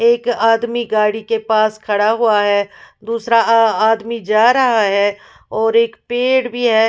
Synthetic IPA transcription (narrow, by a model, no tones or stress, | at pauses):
eːkaːd̪miɡaːɽikepaːskʰɐɽaɦuaɦɛːd̪uːsɾaaːd̪mid͡ʒaːɾɐɦaɦɛː | ɔːɾeːkpeːɽbʱiɦɛː